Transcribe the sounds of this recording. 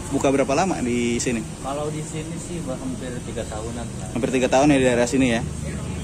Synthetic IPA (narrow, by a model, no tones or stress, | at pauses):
bukabəɾapalama̰disini | kalawdisinisɪhbərɦampɪrt̪iɡat̪aɦunapiahampɪrt̪iɡat̪aɦʊnjadidaɾeasinija